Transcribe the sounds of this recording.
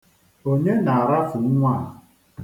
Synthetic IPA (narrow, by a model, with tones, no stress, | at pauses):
o˦ɲe˦na˨a˨ɾa˦fu˨˦ŋʷa˦˨